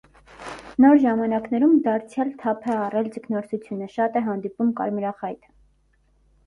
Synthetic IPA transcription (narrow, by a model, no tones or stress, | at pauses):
nɔɾʒɑmɑnɑknɛɾumd̪ɑɾt͡sʰjɑlt̪ʰɑpʰɛɑrɛlt͡səkʰnɔɾt͡sʰut͡sʰjunəʃɑt̪ɛɦɑnd̪ipumkɑ̰ɾmɾɑχɑjt̪ʰə̥